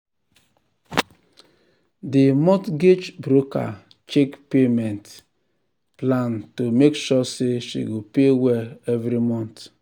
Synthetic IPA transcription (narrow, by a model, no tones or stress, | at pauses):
dɪmɔtɡet͡ʃbɾoka̰ | t͡ʃekpemɛnt | plantomekʃɔseʃḭɡopeweevɾimɔ̃nt